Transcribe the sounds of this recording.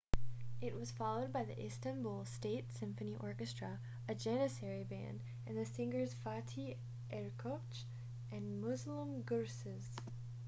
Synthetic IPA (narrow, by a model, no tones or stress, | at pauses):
ɪʔ̚wʌz̥fɑlˠoʊd̚baɪðiʔɪstɨ̃nbulˠsteɪtsɪ̃ɱfɨniʔɔɹkɨstɹ̥ə | ɨd͡ʒɛnɨsɛɹibæ̰̃nd | ɨ̃nðɨsɪ̃ŋə˞z̥fɑtʰi | ʔɛɹkʰot͡ʃ | ʔɨ̃nmʊzlə̃mɡɜɹsɨz̥